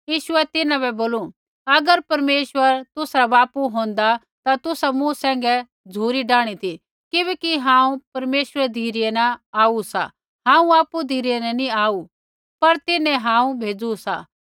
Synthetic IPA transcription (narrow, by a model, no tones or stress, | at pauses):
jiːʃʊɛt̪ɪnãbɛboːlu | ɐɡəɾpɐɾmeːʃʋəɾt̪ʊsɾabaːpuɦõːn̆d̪a | t̪at̪ʊsamũsɛ̃ːŋɡɛ | d͡zʱuːɾiɖaːɽ̃it̪ʰi | kɪβɛːkiɦãːũpɐɾmeːʃəɾɛd̪ʱiːɾijɛnɐaːusa̰ | ɦãːũaːpud̪ʱiːɾijɛnɛ̃niaːu | pɐɾt̪ɪnɛ̃ɦãːũbʱeːd͡zusa̰